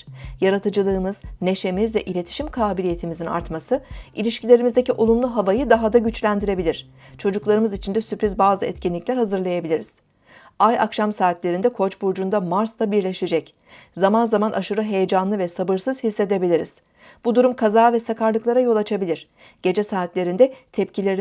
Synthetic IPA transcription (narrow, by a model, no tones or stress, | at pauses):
jaɾat̪ʰɯd͡ʒɯlˠɯːmɯz̥ne̞ʃe̞mizvɛʔilʲe̞t̪ʰi̥ʃimkʰaːbilʲije̞t̪ʰimizina̰ɾt̪masɯʔilʲiʃcilʲe̞ɾimizd̪eciʔolˠumlˠuɦavajɯd̪aɦad̪aɟyt͡ʃlʲænd̪iɾe̞bilʲiɾ̝̥ | t͡ʃʰo̞d͡ʒuklˠaɾɯmɯzit͡ʃʰind̪ɛsypɾizbaːzɯɛ̰t̪cinlʲiclʲæɾɦazɯɾlˠajabilʲiɾiz̥ | aja̰kʃamsaːt̪lʲeɾind̪ɛkʰo̞t͡ʃbuɾd͡ʒund̪amaɾst̪ˠabiɾlʲe̞ʃed͡ʒɛc | zamanzamanʔaʃɯɾɯɦe̞jed͡ʒanlˠɯvɛsabɯɾsɯz̥hisːe̞d̪e̞bilʲiɾiz̥ | b̥ud̪uɾumkʰazaːvɛsakʰaɾlˠɯklˠaɾajo̞lˠat͡ʃʰabilʲiɾ̥ | ɟ̥e̞d͡ʒɛsaːt̪lʲe̞ɾind̪ɛt̪ʰɛpcilʲeɾi